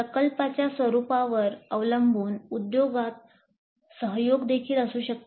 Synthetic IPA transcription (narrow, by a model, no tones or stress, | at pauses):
əkəlpat͡ɕjasʋəɾupaʋəɾəʋləmbʱuːnud̪joɡat̪̚ | səɦjoɡd̪ekʰiːləsuːɕək̚t̪